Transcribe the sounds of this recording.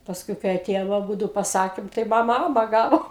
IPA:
pɐˈskʊɪ kɐɪ ɐˈtʲeːjoːm ɐˈbuːdʊ pɐˈsɑːkʲeːm tɐɪ ˈmɑːmɐ ˈɑːmɐ ˈɡɑːʋoː

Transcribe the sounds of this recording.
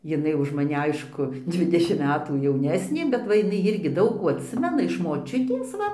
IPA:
jɪˈnɐɪ ʊʃ mɐˈnʲɪ ˈɐɪʃkʊ ˈdʲʋʲɪdʲɛʃʲɪmt ˈmʲæːtuː jɛʊˈnʲæːsʲnʲeː bʲɛt ˈʋɐ jɪˈnɐɪ ˈɪrʲɡʲɪ ˈdɐʊk kuː ɐtʲˈsʲɪmʲɛnɐ ɪʃ moːˈt͡ʃʲʊtʲeːs ˈʋɐ

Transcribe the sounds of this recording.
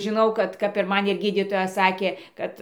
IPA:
ʒʲɪˈnɐʊ ˈkɐt kɐp ɪr ˈmɐn ɪr ˈɡʲiːdʲiːtoːjɛ ˈsɑːkʲeː ˈkɐt

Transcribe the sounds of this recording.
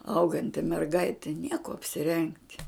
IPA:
ˈɐʊɡɐnʲtʲɪ mʲɛrˈɡɐɪtʲɪ nʲiɛ kuɔ ɐpʲsʲɪˈrʲɛŋktʲ

